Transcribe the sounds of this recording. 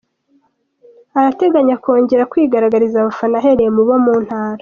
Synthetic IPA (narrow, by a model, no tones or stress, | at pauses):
aɾate̞ɡaɲako̞ːɲɟe̞ɾakwiːɡaɾaɡaɾizaβafanaɦe̞ɾemuβo̞muːn̥haːɾḁ